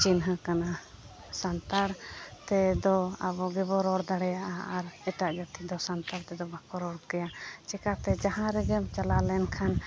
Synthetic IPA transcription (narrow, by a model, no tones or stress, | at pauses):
t͡ʃinɦəkana | sant̪aɽt̪ɛd̪ɔabɔɡɛbɔɾɔɽd̪aɽɛjaʔaːɾɛʈaʔd͡ʒat̪id̪ɔsant̪aɽt̪ɛd̪ɔbakɔɾɔɽkɛjat͡ʃɛkat̪ɛd͡ʒaɦãɾɛɡɛmt͡ʃalalɛnkʰan